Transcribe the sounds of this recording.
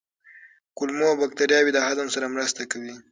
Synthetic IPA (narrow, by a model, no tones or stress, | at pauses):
kʊlmoawbak̚t̪aɾjɑwid̪əhad̪amsaɾamɾast̪akawi